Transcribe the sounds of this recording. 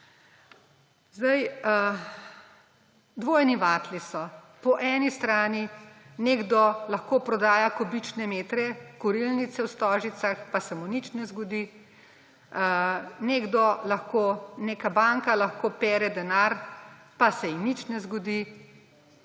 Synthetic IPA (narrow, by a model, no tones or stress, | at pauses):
zd̪aj | d̪ʋoːjniʋaːt̪lisɔ | pɔʔɛːnist̪ɾaːnineɡd̪ɔlɐxkoːpɾɔd̪aːjakɔbit͡ʃnɛmeːt̪ɾɛkɔɾilnit̪sɛwst̪ɔːʒit̪saxpasɛmunit͡ʃnɛzɡɔd̪iː | neɡd̪ɔlaxkoːneːkabaːŋkalaxkoːpɛːɾɛd̪ɛnaɾ | pasɛinit͡ʃnɛzɡɔd̪i